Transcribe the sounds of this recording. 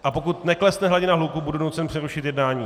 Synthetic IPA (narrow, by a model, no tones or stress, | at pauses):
ʔapo̞kut̪nɛklɛsnɛɦlaɟɪnaɦlukubudunut͡sɛnpr̥ɛɾuʃɪt̪jɛdnaːɲiː